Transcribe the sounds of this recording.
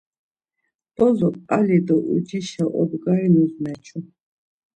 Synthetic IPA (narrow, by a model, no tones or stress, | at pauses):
b̥ɔzɔpʼalid̪ɔʔṵd͡ʒiʃaʔɔ̰bɡainuznɛt͡ʃʰu